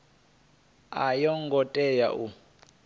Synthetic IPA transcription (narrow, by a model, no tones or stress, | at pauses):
ajɔŋɡɔtʼɛjaʔu